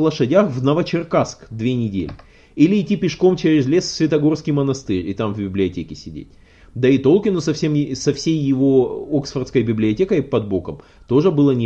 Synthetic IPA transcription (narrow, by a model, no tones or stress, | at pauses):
lˠəʂɐdʲaxvnəvət͡ɕɪrkaskd̪vʲenʲɪdʲḛlʲɪ | ilʲɪːtʲːipʲɪʂko̞mt͡ɕeɾʲɪzlʲessʲvʲɪt̪ɐɡo̞rskʲɪjmənɐst̪ɨɾʲɪt̪amvbʲɪblʲɪɐtʲekʲɪsʲɪdʲḛt̚ʲ | d̪ɐɪt̪o̞lˠkʲɪnʊsɐfsʲemsɐfsʲejːɪvo̞oksfərt̪skəjbʲɪblʲɪɐtʲekəjpɐd̪bo̞kəm | t̪o̞ʐɨbɨlˠənʲ